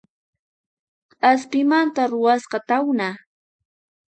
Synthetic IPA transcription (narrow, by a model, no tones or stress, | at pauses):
aspɪmant̪aɾʊwasqɑt̪awna